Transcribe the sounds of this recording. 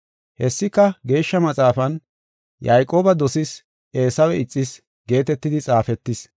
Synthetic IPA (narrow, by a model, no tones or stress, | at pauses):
hɛsːɪkːɐɡe̞ːʃːɐmɐt͡sʼaːfɐn | jɐjkʼo̞ːbɐd̪ɔsɪs | e̞ːsɐwɛɪt͡sʼːɪs | ɡe̞ːt̪ɛt̪ːɪd̪ɪt͡sʼaːfɛt̪ːɪs